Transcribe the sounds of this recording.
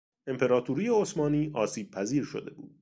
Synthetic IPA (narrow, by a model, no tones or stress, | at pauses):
e̞mpʰe̞ɾɒːt̪ʰuːɾijeosmɒːniːʔɒːsiːb̚pʰæziːɾʃod̪e̞̰bṵːd̪̥̚